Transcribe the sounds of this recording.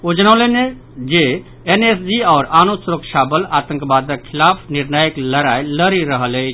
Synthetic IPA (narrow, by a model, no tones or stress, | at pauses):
od͡ʒənaʊlene | d͡ʒe | enesdiaːɾanosɾokʃabəlat̪ə̃ŋkbad̪əkkʰːilapʰniɾnəjəkləɾajləɾiɾəɦələ